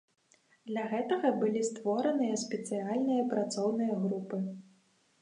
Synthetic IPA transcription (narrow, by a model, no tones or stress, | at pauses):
d̪lʲaɣɛt̪ɐɣɐbɨlʲist̪vɔɾɐnɨjɐsʲpʲɛt̪sɨjalʲnɨjɐpɾat̪sɔwnɨjɐɣɾupɨ